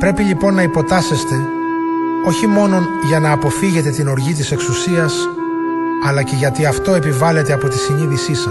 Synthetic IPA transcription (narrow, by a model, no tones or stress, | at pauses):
pɾe̞piʎipo̞nːɐipo̞t̪ɐse̞st̪e̞ | o̞çimo̞no̞ | ʝɐnɐːpo̞fiʝe̞t̪e̞t̪ino̞ɾʝit̪̬ise̞ksusiɐs | ɐlɐce̞ʝɐt̪iɐft̪o̞e̞pivɐle̞t̪e̞ɐpo̞t̪isiɲiðisisɐ